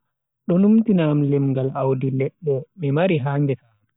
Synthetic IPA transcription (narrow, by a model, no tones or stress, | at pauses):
ɗɔnumtinaːmlɛmŋɡalawdilɛɓːɔmɛmaɾiɦaːŋɡɛtaː